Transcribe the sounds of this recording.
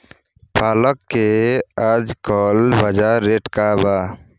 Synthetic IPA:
pʰaːləkːead͡ʒkɔːlbəd͡ʒaɾːeːʈkabaː

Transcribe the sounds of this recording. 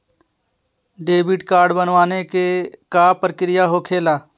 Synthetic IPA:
ɖeːbɪʈkaːɾɖbənʋaːnekekaːpəɾkɾɪjaɦokʰeːlaː

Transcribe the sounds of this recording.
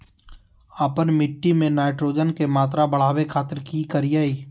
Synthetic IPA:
aːpənmɪʈːimẽnaːɪʈɾoːd͡ʒənkemaːt̪ɾabəɽ̤aːwekʰaːt̪əɾkikəɾijaːiː

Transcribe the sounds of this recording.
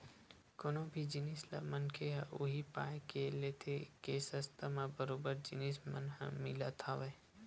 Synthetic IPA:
koːnõbʱid͡ʒɪnisla̰mənkʰeɦʔʊ̰ɦipaːjkeleːt̪ʰekesəst̪ʰamãbəɾoːbəɾd͡ʒɪnismə̰nɦə̰̃mɪlat̪ʰaʋɛː

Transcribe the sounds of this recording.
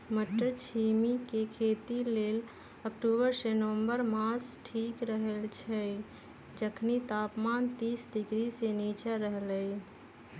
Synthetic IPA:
məʈːəɾt͡ʃʰimikekʰet̪ilel | əkʈubəɾsenəʋə̃mbəɾmasʈʰiːkɾəɦəlt͡ʃʰɛ | d͡ʒəkʰnit̪apmant̪isɖiɡɾisenit͡ʃaɾəɦləj

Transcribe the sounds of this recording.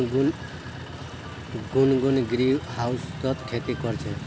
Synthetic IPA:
ɡunɡunɡɾiwhaust̪ɔt̪kʰet̪ikɔɾt͡ʃʰe

